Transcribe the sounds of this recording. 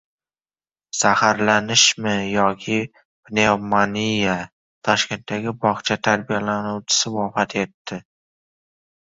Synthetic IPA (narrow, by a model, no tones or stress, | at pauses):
sahaɾlanɪʃmɪjɒkʲʰɪ | b̥nemanija | t̪ʰɒʃkʲe̞nt̪ʰd̪aɡʲɪbɒχt͡ʃʰat̪ʰaɾbijalanuwt͡ʃʰɪ̥sɪvɒfat̪ʰe̞t̪ʰːɪ